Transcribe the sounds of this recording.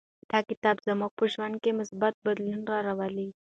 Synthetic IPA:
d̪̥ɑkɪt̪ɑbzamuɡ̚pəʒwand̪̚kemʊsbat̪̚bad̪lunɾɑɾawali

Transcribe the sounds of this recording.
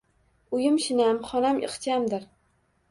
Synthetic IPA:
ʊjɪmʃɪnamχɒnamʔɪ̰qt͡ʃamd̪ɪɾ

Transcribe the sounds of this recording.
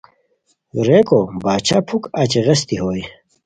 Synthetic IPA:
ɾeːkobaːt͡ɕʰapʰukat͡ɕeʁɐst̪iɦoːj

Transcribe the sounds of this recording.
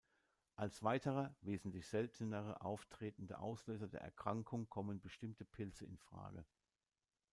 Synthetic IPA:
ʔalsv̥aɪtʰəʁɐveːzn̩tlɪçz̥ɛltʰənəʁə̰ʔa̰ʊftʁ̥eːtn̩də̰ʔa̰ʊsløːzɐdḛːɐʔɛɐkʁ̥aŋkʰʊŋkʰɔmənbəʃtɪmtʰəpʰɪlt͡səɪnfʁ̥a̰ːɡə̰

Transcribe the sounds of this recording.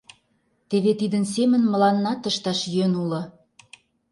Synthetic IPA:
t̪eβet̪id̪əns̬emə̆nmə̆lɑnːɑt̪əʃt̪ɑʃjønulɤ̆

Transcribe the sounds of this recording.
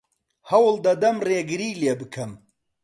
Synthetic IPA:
hɐwlˠd̪ɐd̪ɐmreːɡɨɾiːleːbɨkʰɐm

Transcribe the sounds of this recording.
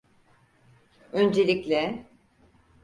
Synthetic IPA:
ønd͡ʒelʲiclʲɛ

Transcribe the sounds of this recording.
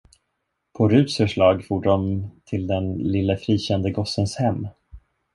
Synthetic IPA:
pʰɔɾʉ̟ːsfœʂɭɑːɡfuːɖɖɔmt̪ʰɪld̪ɛnlɪlːəfɾiːɕɛnd̪əɡɔsənshɛmː

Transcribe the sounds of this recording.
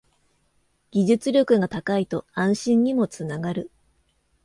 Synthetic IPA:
ɡ̥ʲiʑɨt͡sɨɾʲo̞kɯ̟ɡat̪akait̪o̞ãɰ̃ɕĩɲɲimo̞t͡sɨnaɡaɾɯ̟

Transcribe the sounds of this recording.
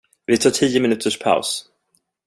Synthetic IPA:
vɪt̪ʰɑːʈʰiːjəmɪnʉ̟ːt̪ʰəʂpʰa̰ʊs

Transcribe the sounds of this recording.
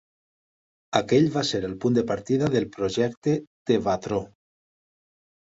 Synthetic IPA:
akeʎβaseɾelpund̪epaɾt̪iðaðelˠpɾoʒɛkt̪ed̪̥eβat̪ɾo

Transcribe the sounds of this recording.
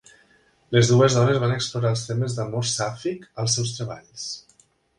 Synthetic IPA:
lezðuezðɔnezβanəkspluɾaəlˠst̪eməzd̪əmoɾsafikəlˠsɛws̬t̪ɾəβa̰ʎs

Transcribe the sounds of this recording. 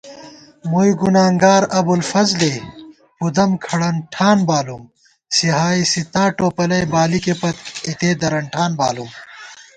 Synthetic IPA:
mujɡunaːŋɡaːɾɐbulfɐzle | pud̪ɐmkʰɐɽɐɳʈʰaːnbaːlum | siɦaːisit̪aːʈoːpɐlɐjbaːlikepɐt̪it̪eːd̪ɐɾɐɳʈʰaːnba̰ːlum

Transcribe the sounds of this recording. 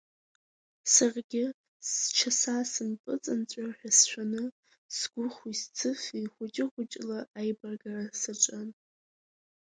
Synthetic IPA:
sarɡʲɪ | st͡ʃʰasasɨmpʼɨt͡sʼɨnt͡sʷʼaħʷᶣasʃʷᶣanɨ | sɡ̥ʷʊχist͡sʰɨfiχʷʊt͡ʃʼɪʁʷʊt͡ʃʼlaʔajbarɡarasaʈ͡ʂʷʼan

